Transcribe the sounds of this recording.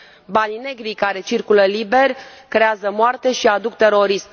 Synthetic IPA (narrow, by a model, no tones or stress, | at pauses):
banine̞ɡɾikaɾe̞t͡ʃirkuləlibe̞rʲkɾe̞azəmoart̪e̞ʃiad̪uk̚t̪e̞ɾo̞ɾism